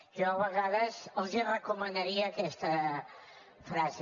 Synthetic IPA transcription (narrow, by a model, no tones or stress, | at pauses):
ʒɔəβəɣaðəzəlˠzirəkumənəɾiəːkɛst̪ə | fɾaze